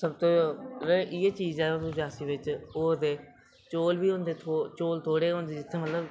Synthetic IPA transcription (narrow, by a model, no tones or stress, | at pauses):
səbt̪õːɾeʔiːeːt͡ʃiːzɛːouːd͡ʒaːsiːʋɪt͡ʃoːd̪eː | t͡ʃoːlʋiːʊ̃nd̪eːt̪ʰoːt͡ʃoːlt̪ʰoːɽeːʊ̃nd̪iːd͡ʒɪt̪ʰːeːmət̪ləb